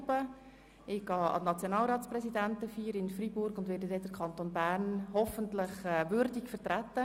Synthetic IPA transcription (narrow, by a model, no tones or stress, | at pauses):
b̥ə | ɪɡ̥ɑːɑ̰nɑt͡sjonɑːlɾɑːtt͡sprɛsidæntəfiːɾɪnfribʊɾɡʊndʋɛːɾdədɛd̥əɾkʰɑnt̪oːnbæɾnhɔfənt̪lɪχɛːʋʏɾdikfəɾtɾæt̪ːə